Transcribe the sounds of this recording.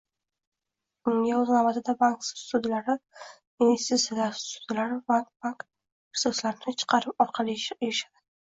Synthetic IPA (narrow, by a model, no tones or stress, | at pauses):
ɪŋaʊznabat̪ʰɪd̪abaŋkssʊd̪ɪlaɾɪ | ɪnvest̪it̪sijalaɾsʊd̪̥ɪlaɾɪbaŋkbaŋk | ɪχsɔslaɾɪnɪt͡ʃʰɨ̥qʰɑɾɪp̚ɒɾqʰɑlijaʃad̪̥ɪ